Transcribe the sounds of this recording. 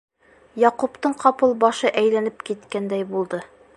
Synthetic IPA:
jɒqupt̪ɤɴqɒpɤlˠbɒʃɤʔæjlænɘpkit̪kænd̪æjbulˠd̪ɤ

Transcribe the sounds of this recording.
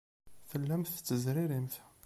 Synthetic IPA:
fəlːæmθt̪ːəzɾiɾimθ

